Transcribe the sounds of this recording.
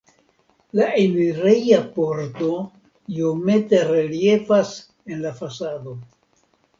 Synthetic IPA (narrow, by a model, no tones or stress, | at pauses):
laemiɾejapo̞ɾto̞ | iome̞te̞ɾe̞lie̞vas | e̞nlafasado̞